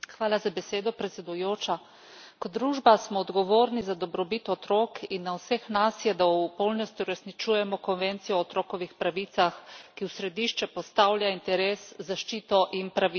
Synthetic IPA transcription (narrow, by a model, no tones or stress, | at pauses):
xʋaːlazabɛseːd̪ɔpɾɛt̪sʲɛd̪ujoːt͡ʃa | kɔtd̪ːɾuːʒbasmɔːd̪ɡɔʋoːɾnizad̪ɔbɾɔbit̪ɔt̪ɾoːkinːawsɛxnasjɛd̪awpɔlnɔst̪iuɾɛsnit͡ʃuːjɛmɔkɔnʋɛnt̪sijɔːt̪ɾoːkɔʋixpɾaʋiːt̪saxkiwsɾɛd̪iːʃt͡ʃɛpɔst̪awlʲjaint̪ɛɾeːszaʃt͡ʃiːt̪ɔʔinpɾaʋi